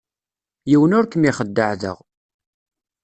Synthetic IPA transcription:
jiwənʊɾkəmiχəd̪ːəʕðə̰ʁ

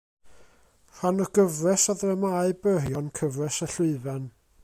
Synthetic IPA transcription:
hanɔɡ̥əvrɛsaðrɛmaɨbəɦjɔnkʰəvrɛsəɬʊɨvɛn

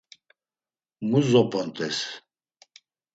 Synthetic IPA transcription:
muzɔpʰʼɔnt̪ʼɛs

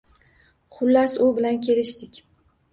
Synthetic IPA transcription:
χʊlːasʊbɪlankʲʰe̞lɪʃt̪ɪkʲ

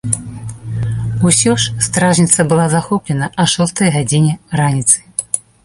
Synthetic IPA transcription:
usʲɔʂst̪ɾaʐnʲit̪sɐbɨlˠazaxɔplʲɛnɐʔɐʂɔst̪ɐjɣad͡zʲinʲɛranʲit̪sɨ̥

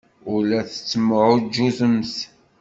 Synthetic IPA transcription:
ʊlæθə̥t͡sːəmːəʕʊd͡ʒːuzəmθ

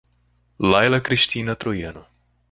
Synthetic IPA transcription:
lajlakɾiʃt̪ʲiːnat̪ɾojɛno

